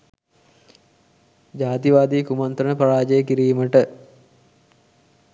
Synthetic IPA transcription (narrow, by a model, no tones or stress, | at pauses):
d͡ʒaːt̪iʋaːd̪iːkumant̪ɾənəpaɾaːd͡ʒəjəkiɾiːməʈə